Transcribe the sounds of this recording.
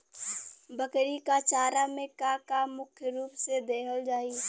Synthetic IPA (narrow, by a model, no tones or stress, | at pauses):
bəkɾikat͡ʃaːɾamẽkakamːʊkʰjəɾuːpsed̪eːkʰəld͡ʒaːi